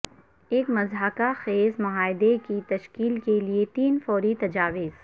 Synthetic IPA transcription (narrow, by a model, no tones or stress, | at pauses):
eːkmɐzɦəkaxeːzmʊɦaːɪd̪ekit̪ɐʃkiːlkeliet̪iːnfɔːɾit̪ɐd͡ʒaːʋɪz